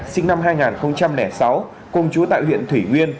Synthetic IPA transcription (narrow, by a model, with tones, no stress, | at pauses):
sï˧ŋna˧mɦaː˧jŋaː˨˩nxə˧wŋ͡mt͡ɕa˧mnɛ˧˩sa˨˦w | ko˧˩ŋ͡mt͡ɕu˨˦t̪a̰ː˧˨jhwḭ˧˨ənt̪ʰwi˧˩ŋwi˧ən